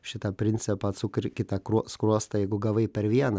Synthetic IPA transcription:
ʃʲɪt̪ɐpʲɾʲɪnʲt̪sʲɪpɐːt̪sʊkɾʲkʲɪt̪ɐkɾuskɾuɔst̪ɐjɛɪɡʊɡɐʋɐɪpʲɛɾʋʲiɛnɐ

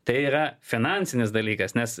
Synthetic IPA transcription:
t̪ɐɪiːɾɐfʲɪnɑˑnʲtsʲɪnʲɪs̬d̪ɐlʲiːkɐsnʲɛs

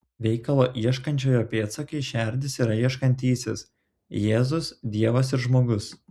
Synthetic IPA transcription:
ʋʲɛɪkɐlˠoːʔiɛʃkɐnʲt͡ʃʲoːjoːpʲeːt̪sɐkɐɪʃʲæɾʲd̪ʲɪsiːɾɐiɛʃkɐnʲt̪ʲiːsʲɪs | jeːzʊsd̪ʲiɛʋɐs̬ɪɾʒmoːɡʊs

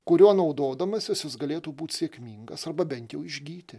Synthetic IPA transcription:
kʊɾʲuɔnɐʊd̪oːd̪ɐmɐsʲjɪsjɪsɡɐlʲeːt̪uːbuːt̪ʲsʲeɛkʲmʲiːŋɡɐsɐrbɐbʲɛnt̪jɛʊɪʒʲɡʲiːt̪ʲɪ

